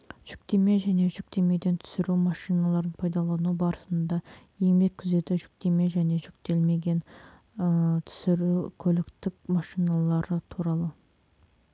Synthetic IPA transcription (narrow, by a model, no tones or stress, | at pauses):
ʒ̥ʏk̚t̪e̞me̞ʒæne̞ʒʏk̚t̪e̞me̞d̪e̞nt̪ʰʏ̥sɪɾumɑʃijnɑlˠɑɾənpʰɑjd̪ɑlˠɑnubɑɾəsənd̪ɑje̞mbe̞kʲkʲʰʏze̞t̪ɪʒʏk̚t̪e̞me̞ʒæne̞ʒʏkt̪e̞lme̞ɡʲe̞n | t̪ʰʏ̥sɪɾukʲʰɵlɪkt̪ɪkʲmɑʃijnɑlˠɑɾət̪ʰuɾɑlˠə